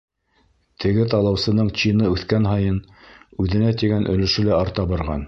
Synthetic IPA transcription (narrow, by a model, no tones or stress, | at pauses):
t̪ʰɘ̆ɡɘt̪ɑlˠɑwsɤ̆nɤɴt͡ɕinɤʉθkænɦɑjɤnʉðɘ̆næt̪iɡænʔɵ̆lɘ̆ʃɘ̆læɑɾt̪ɑbɑɾʁɑ̰n